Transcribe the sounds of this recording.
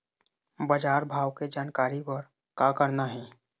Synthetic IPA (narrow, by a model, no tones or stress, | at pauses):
bəd͡ʒaːɾbʱaːwked͡ʒaːnkaːɾipəɾ | kakəɾnaɦɛː